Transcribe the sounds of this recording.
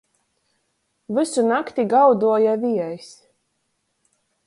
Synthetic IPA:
vɨsunakt̪iɡawd̪uɔjaviɛjs

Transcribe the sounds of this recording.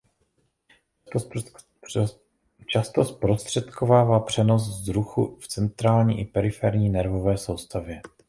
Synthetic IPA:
t͡ʃast̪ospɾo̞st̪r̥ɛt̪ko̞vaːvaːpr̝̥ɛno̞szɾuxuft͡sɛnt̪ɾaːlɲḭːʔɪpɛɾɪfɛɾɲiːnɛɾvo̞vɛːso̞wst̪avjɛ

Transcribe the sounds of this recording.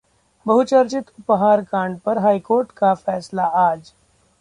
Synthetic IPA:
bɐɦʊt͡ʃɐɾt͡ʃɪt̪ʊpɦaːɾkãːɳɖpɐɾɦaːikoːɾʈkafɛːslaaːd͡ʒ

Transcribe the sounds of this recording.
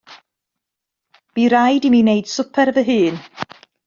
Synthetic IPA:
b̥iɾajdimineɨd̥sʊpʰɛɾəvəɦɨːn

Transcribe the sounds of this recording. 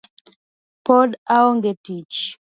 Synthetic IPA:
pɔdaɔŋɡetit͡ʃ

